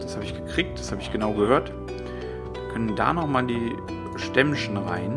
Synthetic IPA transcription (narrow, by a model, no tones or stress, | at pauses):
d̥ashaːbəɪçɡ̥əkʁ̥iːk̚t̚d̥ḁshaːbəɪçɡ̥ənaʊɡəhøːɐt | kʰœnənda̰ːnɔχmaːldiː | ʃtɛmʃn̩ʁa̰ɪn